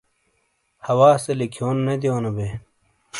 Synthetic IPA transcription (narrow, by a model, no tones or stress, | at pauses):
hɐwaːselikʰjoːnːed̪ijoːnɐbe